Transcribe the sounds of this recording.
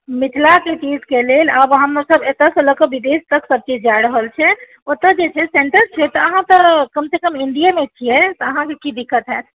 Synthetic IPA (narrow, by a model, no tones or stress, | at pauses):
mit̪ʰlak̪et͡ʃid͡ʒkeleləbɦəmnosəbet̪əsə̃ləkəbid̪est̪əksəb̚t͡ʃid͡ʒajɾəɦəlt͡ʃʰɛ | ot̪ːəd͡ʒet͡ʃʰɛseɳʈəɾt͡ʃʰɛt̪ɔːɦãt̪əkəmsekəminɖ̪ijamet͡ʃʰijɛt̪ɔəɦãkekid̪ikʰət̪ɦɛt̪